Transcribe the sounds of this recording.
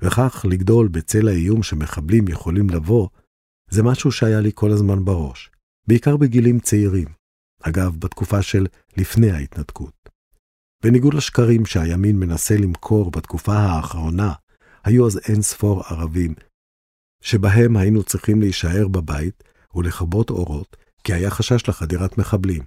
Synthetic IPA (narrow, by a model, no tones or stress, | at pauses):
veχaχliɡdo̞lbet͡se̞laijumʃeme̞χablimjeχo̞limlavo̞ | zemaʃuʃeajalikʰo̞lazmanbaʁo̞ʃ | beikaʁbeɡilimt͡seiʁim | haɡavbat̪kufaʃe̞lː | ifne̞jhait̪natkʰut̚ | b̥eniɡudlaʃkaʁimʃeajaminme̞nase̞limkʰo̞ʁbat̪kufahaːχʁo̞na | hajuazensfo̞ʁaʁavim | ʃe̞baɦe̞mhajinut͡sʁiχimleiʃaʔe̞ʁbabait | uleχabo̞to̞̰ʁo̞t | kiajaχaʃaʃleχadiʁatme̞χablim